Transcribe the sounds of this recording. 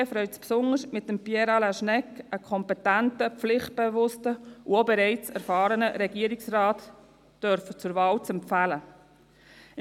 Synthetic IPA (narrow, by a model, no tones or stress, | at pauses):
ɛfɾœʏt͡spsʊnəsmɪtːəmpjɛɾɑlaʃnɛkəkʰɔmpɛtæntəflɪχt̚b̥evʊstəuobɛɾɛɪt͡sæɾfɑːɾənəɾɛɡiːəɾɪksrɑːt | d̥œɾfət͡sʊɾvɑːlt͡sɛmpfælə